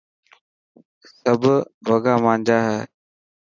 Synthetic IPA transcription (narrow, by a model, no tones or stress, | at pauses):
səbʱʋəɡaːmãːɲd͡ʒaːɦɛː